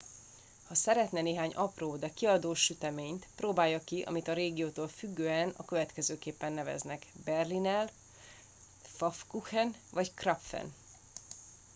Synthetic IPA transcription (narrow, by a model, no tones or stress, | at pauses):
hɒsɛɾɛt̪nɛneːɦaːɲʔɒproːd̪ɛkiɒd̪oːʃyt̪ɛmeːɲt̪proːbaːjːɒkiʔɒ̰mit̪ɒɾeːɡioːt̪oːlfyɡːøːɛnɒ̰køvɛt̪kɛzøːkeːpːɛnːɛvɛ̰znɛkbɛrlinɛl | fɒfkuxɛnvɒckrɒpfɛ̰n